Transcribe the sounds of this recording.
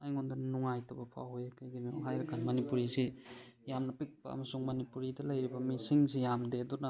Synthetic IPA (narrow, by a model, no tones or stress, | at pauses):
ajŋondɐnuŋajtʰɐbɐpʰa̰whojakʰɐjɡinioɦajɾɐkːanmɐnipuɾisi | jamnɐpik̚pɐ̰ɐ̰mɐsuŋmɐnipuɾidɐlɐjɾibɐmisiŋsijamdedunɐ